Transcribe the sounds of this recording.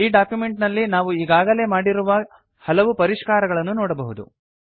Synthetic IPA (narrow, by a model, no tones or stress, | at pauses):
iːɖaːkjume̞ɳʈnɐlːinaːʋuiːɡaːɡɐle̞ːmaːɽiɾuʋɐ | hɐlɐʋupɐɾiʂkaːɾɐɡɐɭɐnːunɔːɽɐbɐɦud̪ṵ